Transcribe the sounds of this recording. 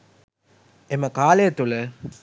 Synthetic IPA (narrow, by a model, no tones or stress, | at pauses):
emɐkaːlejɐt̪ulə